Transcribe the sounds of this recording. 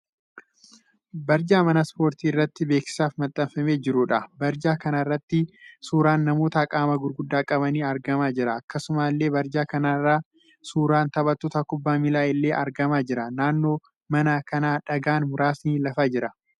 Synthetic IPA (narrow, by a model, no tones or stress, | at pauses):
bɐɾd͡ʒaːmɐnɐspo̞ːɾt̪iːɪrːɐt̪ːɪbeːksɪ̥saːfmɐt̪ʼːɐfɐme̞ːd͡ʒɪɾʊᶑɐbɐɾd͡ʒaːkɐnɐɪrːɐt̪ːɪsuːɾaːnːɐmo̞ːt̪ɐkʼaːmɐɡʊɾɡʊd̪ːaːkʼɐbɐniːɐɾɡɐmaːd͡ʒɪɾɐːkːɐsʊmaːlːe̞ːbɐɾd͡ʒaːkɐnaːrːaː | suːɾaːnt̪ɐβɐt̪ːoːt̪ɐkʊbːaːmɪlaːʔɪlːe̞ːʔɐɾɡɐmaːd͡ʒɪɾɐnaːnːo̞ː | mɐnɐkɐnaːᶑɐɡaːnmʊɾaːsniːlɐfaːd͡ʒɪɾɐ